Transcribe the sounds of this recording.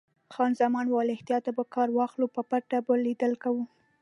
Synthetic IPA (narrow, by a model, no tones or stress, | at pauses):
xɑnzamɑnwɑlɪht̪ijɑt̪abakɑɾwɑxlupəpaʈabəlid̪əlkawu